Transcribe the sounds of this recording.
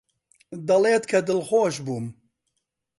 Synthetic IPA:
d̪ɐleːt̪kʰɐd̪ɨlxoːʃbuːm

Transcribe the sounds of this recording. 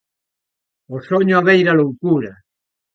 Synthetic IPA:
osoɲoaβejɾalowkuɾa

